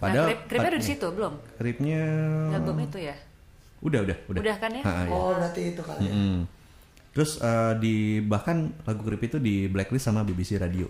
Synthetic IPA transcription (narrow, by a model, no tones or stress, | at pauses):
padaɾɪp̚kɾɪɲadudisit̪ubəlʊmkɾɪp̚ɲaamit̪uja | udahudahudadahkanjaaʔa̰jaɔbɾat̪iːt̪uka̰l̩mm̩ | t̪əɾʊsədibahkanlaɡukɾɪpit̪udiblɛklɪsamabibisiɾadio̰